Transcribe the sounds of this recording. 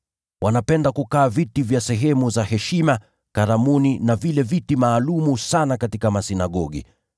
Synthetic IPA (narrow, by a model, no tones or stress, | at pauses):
wʔanapɛndakukaːvitivjasɛɦɛmuzahɛʃima | kaɾamuninavilɛvitimaːlumusanakatikamasinaɠɔɠḭ